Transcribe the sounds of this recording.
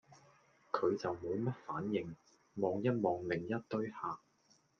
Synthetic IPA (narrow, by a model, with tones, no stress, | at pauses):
kʰɵ˨˧ɥt͡sɐ˨wmoː˨˧wmɐ˥t̚fa̰ː˨˥njɪ˨ŋ | mɔː˨ŋjɐ˥t̚mɔː˨ŋlɪ˨˩ŋjɐ˥t̚t̪ɵ˥ɥhaː˨